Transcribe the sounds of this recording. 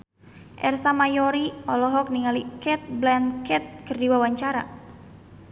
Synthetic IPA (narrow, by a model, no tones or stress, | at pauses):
ʔɛrsamajɔɾiɔlɔɦɔk̚niŋalikɛt̪̚blɛnkɛt̪̚kərdiwawaɲt͡ʃaɾa̰